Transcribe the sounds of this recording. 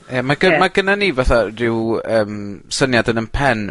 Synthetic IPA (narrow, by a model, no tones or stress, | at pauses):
əmaɡəmaɡənanivaθarɪwəːmsənjadənənpʰɛn